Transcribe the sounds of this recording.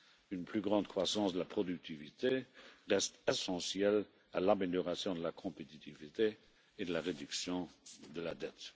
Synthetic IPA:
ynpʰlyɡʁɑ̃d̪kχwasɑ̃sd̪əlapχɔd̪yk̚t̪ʰivit̪eʁɛst̪ɛsɑ̃sjɛl | alameljɔʁasjɔ̃d̪əlakʰɔ̃pet̪it̪ivit̪eː | d̪əlaʁed̪yksjɔ̃d̪əlad̪ɛt̪

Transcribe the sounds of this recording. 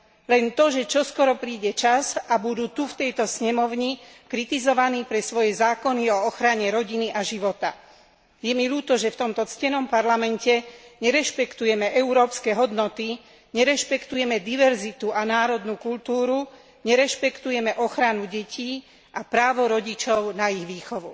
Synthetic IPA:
lɛnt̪ɔʒɛt͡ʃɔskɔɾɔpɾiːɟɛt͡ʃazabud̪uːt̪uft̪ɛjt̪ɔsɲɛmɔʊɲikɾit̪izɔʋaniːpɾɛsʋɔjɛzaːkɔniɔɔxɾaɲɛɾɔɟiniʔaʒiʋɔt̪a | jɛmiluːt̪ɔʒɛft̪ɔmt̪ɔt͡scɛnɔmpaɾlamɛncɛɲɛɾɛʃpɛkt̪ujɛmɛʔɛuɾɔːpskɛːɦɔd̪nɔt̪i | ɲɛɾɛʃpɛkt̪ujɛmɛd̪iʋɛɾzit̪uʔanaːɾɔd̪nukuʎt̪uːɾu | ɲɛɾɛʃpɛkt̪ujɛmɛʔɔxɾanuɟɛciː | apɾaːʋɔɾɔɟit͡ʃɔʊnaiɣʋiːxɔʋu

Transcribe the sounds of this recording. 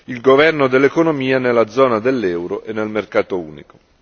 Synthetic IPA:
ilɡovɛrnod̪elːekonomiːanelːad̪zːɔːnad̪elːɛːwɾoʔenːelmerkaːt̪oṵːnḭko̥

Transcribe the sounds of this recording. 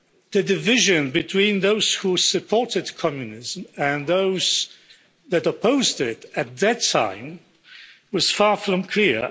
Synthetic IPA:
ðɨdɨvɪʒɨ̃nbɨtʰw̥ĩnðoʊz̥husɨpʰɔɹtɨd̚kʰɑmjɨnɪzmɨ̃nðoʊz̥ | ðɨɾəpʰoʊzdɪɾɨt̪̚ðɨtʰã̰ɪ̃m | wʌz̥fɑɹfɹʌ̃mkʰl̥ɪɹ

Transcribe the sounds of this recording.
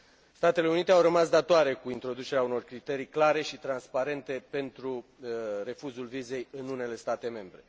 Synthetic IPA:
st̪at̪e̞le̞unit̪e̞awrəmasd̪at̪oaɾe̞kuint̪ɾo̞d̪ut͡ʃe̞ɾeauno̞rkɾit̪e̞ɾijklaɾe̞ʃit̪ɾanspaɾe̞nt̪e̞pe̞nt̪ɾure̞fuzulvize̞jɨnune̞le̞st̪at̪e̞me̞mbɾe̞

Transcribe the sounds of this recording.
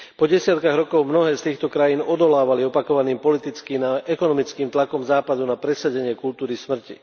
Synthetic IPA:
pɔɟɛsɪat̪kaɣɾɔkɔʊmnɔɦɛːst̪iːxt̪ɔkɾajiːnɔd̪ɔlaːʋaliɔpakɔʋaniːmpɔlit̪it͡skiːnaʔɛkɔnɔmit͡skiːmt̪lakɔmzaːpad̪unapɾɛsaɟɛɲɪɛkult̪uːɾismr̩cḭ

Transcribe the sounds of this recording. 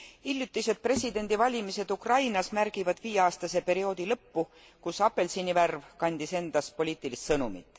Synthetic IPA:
ilʲjut̪ːˑise̞d̪̥̚pre̞sʲid̪e̞nʲd̪ivɑlʲimise̞d̪̥ukrɑjnɑsmærɡ̥ivɑd̪̥viːjeɑːst̪ɑse̞pe̞ɾio̞ːd̪̥ilɤpːu | kusɑpːe̞lsiniværvkɑnʲd̪̥ise̞nd̪̥ɑspo̞lʲiːt̪ːˑilist̪sɤnumḭt̪ːˑ

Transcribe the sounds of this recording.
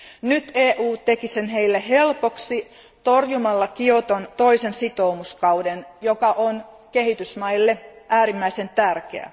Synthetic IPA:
nyt̪eːʔuːt̪e̞kise̞nɦe̞ilːeɦe̞lpo̞ksi | t̪o̞rjumɑlːɑkiot̪ont̪o̞isensit̪o̞umuskɑwdenjo̞kɑʔon | ke̞ɦit̪ysmɑjlːe̞ʔæːɾimːæise̞nt̪ærkḛæ̰

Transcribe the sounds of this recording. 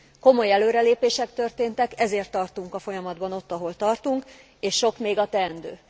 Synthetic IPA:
ko̞mo̞jɛløːɾɛleːpeːʃɛkt̪ø̞rt̪eːnt̪ɛkɛzeːrt̪ːɒrt̪uŋkɒfo̞jɒmɒd̪bɒno̞t̪ːɒɦo̞lt̪ɒrt̪uŋk | eːʃʃo̞kmeːɡɒt̪ɛːɛnd̪øː

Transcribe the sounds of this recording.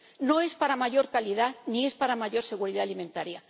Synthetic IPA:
no̞e̞spaɾamaʝo̞ɾkalið̞anie̞spaɾamaʝo̞ɾse̞ɣuɾiðaːlimẽ̞nt̪aɾja

